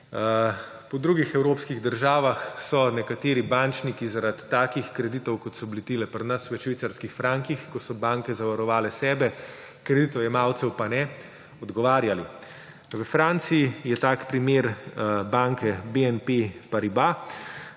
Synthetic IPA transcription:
pɔd̪ɾuɡixɛwɾoːpskiɣd̪əɾʒaːʋaxsɔnɛkat̪eːɾibant͡ʃnikizaɾat̪ːaːkixkɾɛd̪it̪ɔwkɔt̪sɔbilit̪iːlɛpɾnɐsʋɛʃʋit̪saɾskixfɾaŋkixkɔsɔbaːŋkɛzaʋaɾɔʋaːlɛsɛːbɛ | kɾɛd̪it̪ɔwjɛmaːwt̪sɛwpanɛ | ɔd̪ɡɔʋaːɾjali | ʋəfɾaːnt̪siijɛt̪aːkpɾimeːɾbaŋkɛbeɛnpepaɾiba

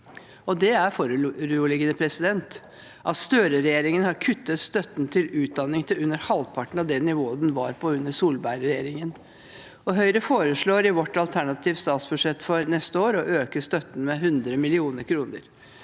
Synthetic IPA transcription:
ɔd̪ɛæɾfɔɾɾuːlɪɡənəpʰɾɛsɪd̪ɛnt̪ | ʔɑt̪st̪øːɾəɾɛjeːɾɪŋənhɑɾkʰʉt̪ːət̪st̪œt̪ːn̩t̪ʰɪlʉːt̪̚d̪ɑnːɪŋt̪ʰɪʉnːəɾhɑlpʰɑʈɳ̩ɑʋd̪ɛnːɪʋoːəd̪ɛnʋɑ̰ɾpʰɔʉnːəsuːlbæɪɾəɾɛjeːɾɪŋən | ɔɦœʏɾəfoːɾəʂɭoːɾɪʋɔʈːɑlt̪ʰæɳɑt̪ʰiːʋst̪ɑːt̪sbʉʂɛt̪ːfɔɾnɛst̪əoːɾɔʔøːkəst̪œt̪ːn̩mɛɦʉnd̪ɾəmɪlɪuːnəɾkʰɾuːnə̰ɾ

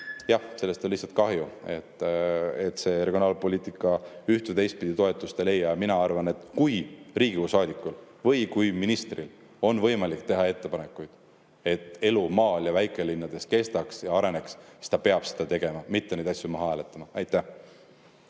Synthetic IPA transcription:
jɑhse̞lːe̞st̪onlihsːɑt̪̚kɑɦjue̞̰t̪ːˑet̪ːˑse̞re̞ɡʲijo̞nɑːlpo̞lʲiːt̪ˑikːˑɑyht̪ed̪e̞jst̪̚pid̪̥it̪o̞e̞t̪ːˑust̪e̞le̞jːɑjɑminɑɑrvɑne̞t̪ˑkujriːɡ̥iusɑːd̪ikːˑul | vɤjkujminist̪ril | o̞nvɤ̞jmɑlikt̪e̞ɦɑe̞t̪ːe̞pɑne̞kːˑujd̪̥ | e̞t̪ːˑe̞lumɑːljɑvæjkˑe̞linːɑd̪̥e̞ske̞st̪ɑksjɑɑɾe̞ne̞kssi̥d̪̥ɑpe̞ɑb̥sed̪̥ɑt̪e̞ɡ̥e̞mɑmit̪ːenejd̪ɑsʲjumɑɦɑæːlet̪ːˑɑmɑɑjt̪ːˑæh

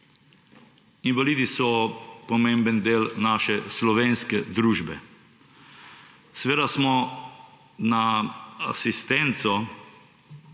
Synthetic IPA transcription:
inʋalid̪isɔpɔmẽmbənd̪eːlnaːʃɛslɔʋeːnskɛd̪ɾuːʒbɛ | sɛʋeːd̪asmɔ | naa̰sist̪ent̪sɔ

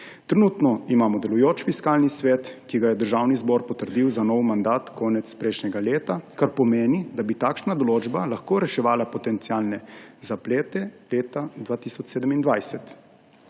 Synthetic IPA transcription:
t̪ɾɛnuːt̪nɔimaːmɔd̪ɛlujoːt͡ʃfiskaːlnisʋɛːt̪kiɡajɛd̪əɾʒaːwnizbɔːɾpɔt̪əɾd̪iwzanɔwmand̪aːt̪kʰɔːnɛt̪spɾɛjʃnɛɡaleːt̪akaɾpɔmeːnid̪abit̪aːkʃnad̪ɔloːd͡ʒbalaxkoːɾɛʃɛʋaːlapɔt̪ɛnt̪siaːlnɛzapleːt̪ɛleːt̪ad̪ʋaːt̪isɔt͡ʃseːd̪əmind̪ʋajsɛt̪

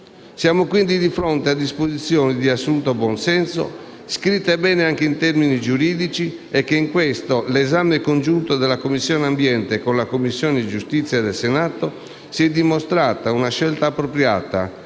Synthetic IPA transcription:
sjaːmokwind̪id̪ifɾɔnt̪ead̪ːispozit̪sːjɔːnid̪iasːunt̪obwɔnsɛnso̰ | skɾit̪ːaɛbɛːneaŋk̟eint̪ɛɾminid͡ʒuɾiːd̪it͡ʃi | ɛkːeiŋkwɛst̪olɛzamekond͡ʒunt̪od̪ɛlːakomːisːjɔːneambjɛnt̪ekonlakomːisːjɔːned̪id͡ʒust̪it̪sːjad̪ɛlsenaːt̪o | siɛd̪ːimost̪ɾaːt̪aunaʃɛlt̪aːpːɾopɾja̰ːt̪a̰

